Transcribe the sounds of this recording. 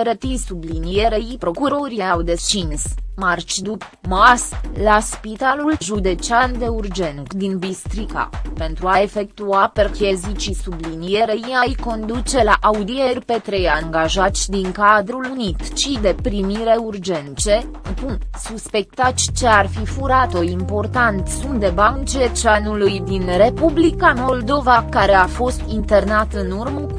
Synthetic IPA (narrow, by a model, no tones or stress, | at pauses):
əɾət̪isublinijeɾeipɾo̞kuɾo̞ɾiawd̪e̞t͡ʃinsmart͡ʃd̪up | maslaspit̪alulʒud̪e̞t͡ʃiand̪e̞urd͡ʒe̞nkd̪inbist̪ɾika̰pe̞nt̪ɾuaefe̞k̚t̪uaperkezit͡ʃisublinijeɾeiajko̞nd̪ut͡ʃe̞laʔaud̪ie̞rʲpe̞t̪ɾejaŋɡaʒat̪sʲd̪iŋkad̪ɾulunit̪ʃid̪e̞pɾimiɾe̞urd͡ʒe̞nt͡ʃe̞ | punsuspe̞k̚t̪at̪sʲt͡ʃe̞arfifuɾat̪o̞impo̞rt̪ant̪sund̪e̞bant͡ʃet͡ʃanulujd̪inre̞publikamo̞ld̪o̞vakaɾe̞afo̞st̪int̪e̞rnat̪ɨnurmə